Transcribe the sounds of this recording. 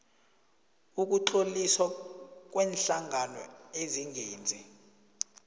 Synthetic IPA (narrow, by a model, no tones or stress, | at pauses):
uk̬uǃoliswak̬wɛːnɬaŋʱanɔ̰eziŋɡʱeːnd͡zʱi